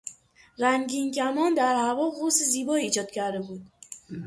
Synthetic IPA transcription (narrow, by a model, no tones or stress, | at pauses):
ræŋɟincæmɒːnd̪æɾhævɒːɣoseziːbɒːiːd͡ʒɒːd̪̥cʰæɾd̪e̞buːd̪̥